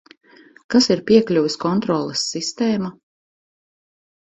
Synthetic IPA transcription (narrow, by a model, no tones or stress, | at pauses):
kasiɾpiɛklʲuviskɔnt̪ɾɔːlˠɛsːist̪eːma